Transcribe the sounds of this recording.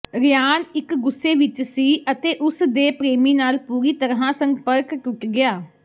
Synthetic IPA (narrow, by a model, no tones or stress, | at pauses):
ɾɪjaːnɪkɡʊsːeːʋɪt͡ʃsiːʔət̪eːʔʊsd̪eːpɾeːmiːnaːlpuːɾiːt̪əɾãːsəŋpəɾkʈʊʈɡɪaː